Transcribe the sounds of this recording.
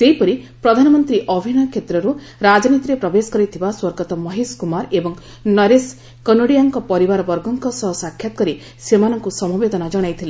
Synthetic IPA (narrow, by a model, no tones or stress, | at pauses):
seɦipɔɾi | pɾɔd̪ʱanɔmɔnt̪ɾiʔɔbʱinɔkʰet̪ɾɔɾu | ɾad͡ʒɔnit̪iɾepɾɔbesɔ̥kɔɾit̪ʰibaswɔɾɡɔt̪ɔmɔɦiskumaɾebɔŋ | nɔɾes | kɔnoɽijaŋkɔpɔɾibaɾɔbɔɾɡɔŋkɔsɔɦɔsakʰjat̪ɔ̥kɔɾi | semanɔŋkusɔmubed̪ɔnad͡ʒɔɽ̃ajt̪ʰile